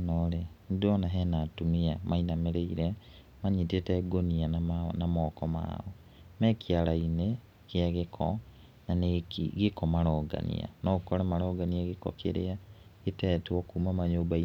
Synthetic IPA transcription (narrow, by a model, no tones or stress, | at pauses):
nɔɾendɔnaɦɛnatumiamainameɾeiɾɛ | maɲitetɛɡoniannamɔːkɔma̰ːɔ | mɛkiaɾaine | keaɣekʰɔ̰ | nanekiɣekɔmaɾɔːɡa̰nḭa̰nɔkɔɾamaɾɔːɡaniaɣekɔ̰kʰḛɾḛa | ɣetɛtwɔkuːmamaɲoːbai